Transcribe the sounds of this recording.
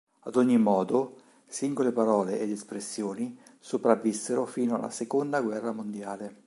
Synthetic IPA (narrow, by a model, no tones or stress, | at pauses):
ad̪oɲːimɔːd̪o | siŋɡolepaɾɔːleʔed̪espɾesːjoːni | sopɾavːisːeɾofiːnoa̰la̰sekond̪aɡwɛrːamond̪jaːle